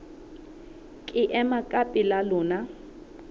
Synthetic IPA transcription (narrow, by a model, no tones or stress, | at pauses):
kʼɪʔɛmakʼapʼɪlalɔːna